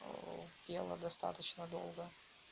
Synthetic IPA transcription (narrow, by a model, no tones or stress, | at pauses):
dʲelˠə̰d̪ɐst̪a̰t̪ət͡ɕnəd̪o̰lˠɡə